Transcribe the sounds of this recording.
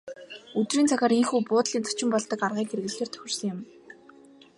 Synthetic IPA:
ɵt̪riːnt͡sʰaxʲaːɾiŋxuːpʊːt̪ɮiːnt͡sʰɔ̥t͡ɕɪ̆mpɔɮt̪ɞ̆karʁiːŋkxer̆ɣɘ̆ɮeːrt̪ʰœ̥xʲɪ̆r̥sə̆ŋjʊ̆m

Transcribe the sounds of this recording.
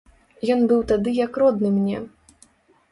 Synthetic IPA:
jɔnbɨwt̪ad̪ɨjɐkrɔd̪nɨmnʲɛ

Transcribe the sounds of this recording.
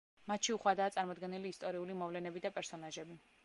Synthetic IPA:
mat̪ʃiuχwad̪aːt̪sʼaɾmɔd̪ɡɛniliːst̪ʼɔɾiulimɔvlɛnɛbid̪apʼɛɾsɔnaʒɛbi

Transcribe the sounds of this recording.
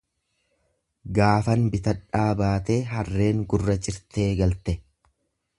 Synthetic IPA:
ɡaːfɐnbɪt̪ɐᶑːaːbaːt̪e̞ːɦɐrːe̞ːŋɡʊrːɐd͡ʒʼɪɾt̪e̞ːɡɐlt̪ɛ

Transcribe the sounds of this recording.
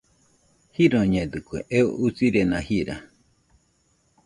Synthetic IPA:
hiɾõɲẽd̪ɨkuḛʔeo̰ʔusiɾenãhiɾa̰

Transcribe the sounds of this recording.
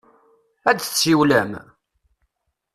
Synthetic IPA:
æd̪ə̥siwlæm

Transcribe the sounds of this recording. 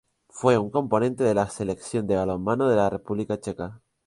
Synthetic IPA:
fwe̞uŋko̞mpo̞nẽ̞nt̪e̞ð̞e̞lase̞le̞kθjo̞nd̪e̞βalo̞mːãnoð̞e̞larepuβlikat͡ʃe̞ka

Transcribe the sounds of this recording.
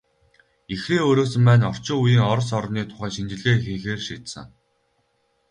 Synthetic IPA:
ixreːoːɾoːsɘ̆mpæːnɔr̥t͡ɕʊːujiːŋɔɾ̆s̬ɔɾniːt̪ʰʊ̥χæːʃint͡ɕɪ̆ɮeːxeːxeːrʃiːt̪sə̰̆ŋ

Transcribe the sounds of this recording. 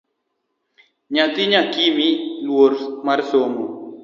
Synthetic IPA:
ɲat̪iɲakimilwoɾmarsomo

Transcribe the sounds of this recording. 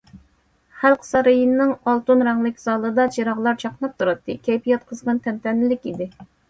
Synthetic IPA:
χælˠqʰsɑɾɨjinːɪŋɑlˠt̪unɾɛŋlˠɪkʲzɑːlˠɨd̪ɑt͡ʃʰiɾɑʁlˠɑɾt͡ʃʰɑqnɨp̚t̪ʰuɾɨt̪ːɨkʲʰɛjpʰijɛt̪̚qʰəzʁɑnt̪ʰɛnt̪ɛnːɪlɪkʲid̪ɪ

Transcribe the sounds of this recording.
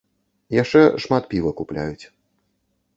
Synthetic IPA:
jaʂt͡ʂɛʂmat̪pʲivɐkuplʲa̰jut͡sʲ

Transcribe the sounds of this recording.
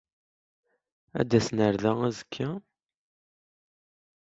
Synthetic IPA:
æ̰d̪æsnəɾðææzəkʰːæ

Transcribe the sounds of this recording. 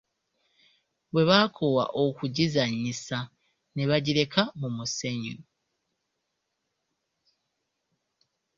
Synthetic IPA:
βwe̞βaːkʰo̞wa̰ʔokuɟizaɲːisa | ne̞βaɟiɾe̞kamumuseɲu

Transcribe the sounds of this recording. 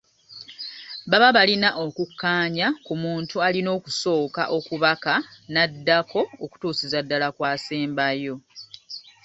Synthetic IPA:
βaβaβalinaʔo̞kukːaːɲakumuːntualino̞ːkuso̞ːka̰ʔo̞kuβakanadːakʰo̞ːku̥tuːsizadːalakwaːseːmbajo̞

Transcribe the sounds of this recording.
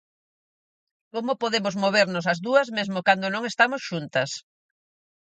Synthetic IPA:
komʊpoðemʊzmoβ̞eɾnosɐzðuɐzmezmokand̪onõŋest̪amosʃunt̪ɐs

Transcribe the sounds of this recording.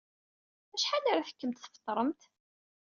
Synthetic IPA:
æʃħanaɾaθə̥kːəmt̪θəft̪ˤːɾˤəmt̪

